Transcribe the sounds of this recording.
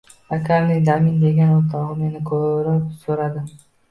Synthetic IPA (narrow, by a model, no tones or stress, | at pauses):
akaɾnɯjd̪amind̪e̞ɡʲenot̪ɑʁume̞nɪkʰɵɾøpsuɾɑd̪ɯ